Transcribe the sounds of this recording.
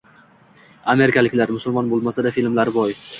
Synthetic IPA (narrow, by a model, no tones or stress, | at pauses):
ame̞ɾɪkʲʰalɪkʲlaɾmʊsʊlˠmɒnbolˠmasad̪afilmlaɾbɒj